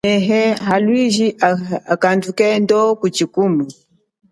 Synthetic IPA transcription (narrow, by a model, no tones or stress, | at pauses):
ɛɦɛɦalwiʒiaakandukɛndɔkut͡ʃikumu